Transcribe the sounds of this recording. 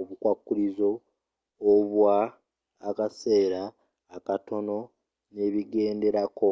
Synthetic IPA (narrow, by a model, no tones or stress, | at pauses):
oβukwakːulizo̞ː | βwaː | kase̞ːɾaː | kato̞no̞ | ne̞ːβiɡe̞ːnde̞ɾako̞